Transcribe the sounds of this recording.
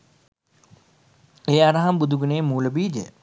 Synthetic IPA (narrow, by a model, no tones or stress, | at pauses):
eːaɾɐɦɐmbud̪ʱuɡuneːmuːlɐbiːd͡ʒḛ